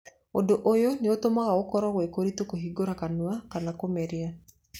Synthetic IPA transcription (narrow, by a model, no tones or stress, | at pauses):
odoʔojoneotomaɣaokɔɾɔɣwekoɾitokoɦiɡoɾakanwakanakomɛɾia